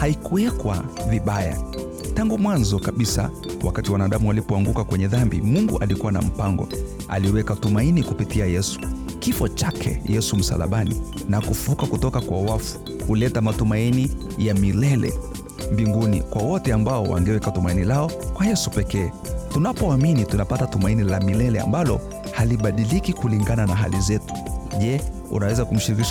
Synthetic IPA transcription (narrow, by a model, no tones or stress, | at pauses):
haikuwɛkwa̰viɓaja̰ | taŋɡumwanzɔkaɓisa̰ | wa̰katiwanaɗamuwalipɔaŋɡukakwɛɲɛðambḭmuŋɡuʔalikuwana̰m̩paŋɡɔ̰ | a̰liɛwɛkatumainikupitiajɛsu̥ | kifɔt͡ʃakʰɛ̰jɛsum̩sa̰la̰ɓanḭ | nakufukakutɔkakwawafu̥ | kulɛtamatumaini | jamilɛlɛ̰ | mbiŋɡunḭkwawɔtɛambaɔwa̰ŋɡɛwɛkatumainilaɔkwajɛsupɛkɛː | tunapɔaminitunapatatumainilamilɛlɛa̰mbalɔ | haliɓaɗilikikuliŋɡananaɦa̰lizɛtu̥ʄɛ | ṵnawɛzakum̩ʃiɾikiʃ